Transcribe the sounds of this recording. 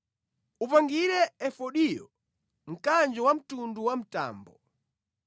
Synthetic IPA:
upaŋɡiɾɛɛfɔɗijɔ | m̩kand͡ʒɔwam̩tunduwam̩ta̰ːmbɔ

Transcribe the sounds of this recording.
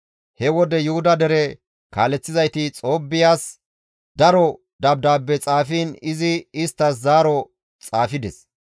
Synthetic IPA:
hɛwɔd̪ɛjʊhʊd̪ɐd̪ɛɾɛ | kaːlɛt͡sːɪzɐjt̪ɪt͡sʼo̞ːbːɪjaːs | d̪ɐɾɔ | d̪ɐb̚d̪aːbːɛt͡sʼaːfiːnɪzɪɪst̪ːɐs̬zaːɾɔ | t͡sʼaːfɪd̪ɛs

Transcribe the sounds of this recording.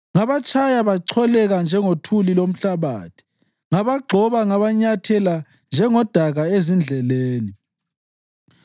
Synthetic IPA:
ŋaβat͡ʃʰʼajaβaǀʰɔlɛɣand͡ʒʱɛŋotʰulilom̩ɬaβa̰ːtʰi̥ | ŋaβaɡ͡ǃʱɔβaŋaβaɲatʰɛla | nd͡ʒʱɛŋɔd̥ʱaɣaezind͡ɮʱɛleːni

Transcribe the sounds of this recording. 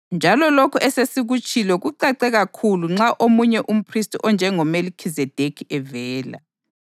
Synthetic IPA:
nd͡ʒʱalɔlokʰuʔɛsesiɣut͡ʃʼilɔɣuǀaǀɛɣakʰuluŋ͡ǁaʔomuɲɛʔum̩pʰristʰʼiʔɔnd͡ʒʱɛŋɔmelikʰizɛd̥ʱekʰiɛvɛːla̰

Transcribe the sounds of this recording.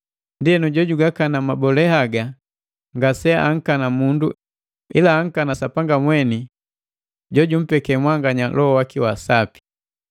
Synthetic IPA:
ndiɛnuɟɔɟuɡakanamabɔlɛhaɡa | ŋɡasɛʔaŋ̩kanamundṵ | ḭlaːŋ̩kanasapaŋɡamwɛni | ɟɔɟum̩pɛkɛmwaŋɡaɲalʔɔɔwakiwasapi̥

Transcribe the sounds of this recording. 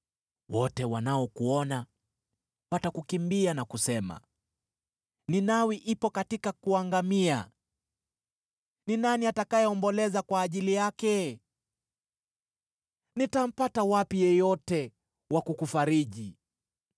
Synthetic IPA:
wɔtɛwanaɔkuɔna | watakukimbianakusɛma̰ | ninawiʔipɔkatikakuaŋɡamia | ninaniatakajɛɔmbɔlɛzakwaːʄilijakɛ | nitam̩patawapijɛjɔtɛ | wakukufaɾiʄi

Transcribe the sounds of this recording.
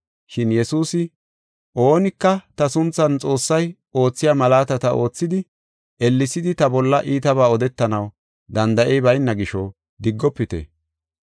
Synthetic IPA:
ʃɪnjɛsuːsɪ | ʔo̞ːnɪkːɐt̪ɐsʊnt͡sːɐnt͡sʼo̞ːsːɐj | o̞ːt͡sːɪjaːmɐlaːt̪ɐt̪ɐo̞ːt͡sːɪd̪ɪ | ʔɛlːɪsɪd̪ɪt̪ɐbɔlːɐʔiːt̪ɐβaːɔd̪ɛt̪ːɐnɐw | d̪ɐnd̪ɐʔɛjbɐjnːɐɡɪʃɔ | d̪ɪɡːɔpːɪt̪ɛ̰

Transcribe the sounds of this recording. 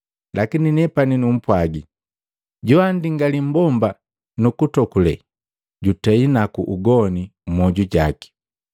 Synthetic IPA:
lʔakininɛpaninum̩pwaɡi | ɟuandiŋɡalim̩bɔmba | nukutɔkulɛ̰ | ɟutɛinakuʔuɡɔnim̩mɔɟuɟaki̥

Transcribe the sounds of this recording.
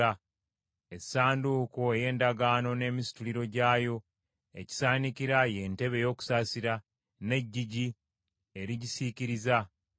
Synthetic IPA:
a | esːaːnduːkoe̞je̞ːndaɡaːno̞ne̞ːmisi̥tuliɾo̞ɟaːjo̞ | e̞̰ci̥saːniciɾaje̞ːnte̞βe̞jo̞ːku̥saːsiɾa | ne̞ɟːiɟi | e̞ɾiɟisiciɾiza

